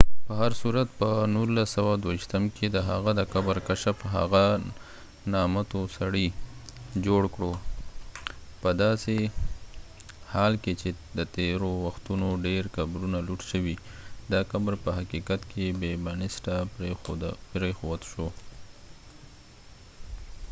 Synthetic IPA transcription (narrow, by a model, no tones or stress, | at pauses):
pəɦaɾsuɾat̪pənulːasawad̪waiʃt̪əmkʰed̪əɦaɣad̪əkabɾkaʃafɦa̰ɣa | nɑmat̪osaɽi | d͡ʒoɽkɽo | pəd̪ɑse | hɑlket͡ʃed̪ət̪eɾowaxt̪unoɖeɾkabɾunaluɽʃəwi | d̪ɑkabɾpəɦakikat̪kʰebebanɪsʈa | pɾexowad̪ʃo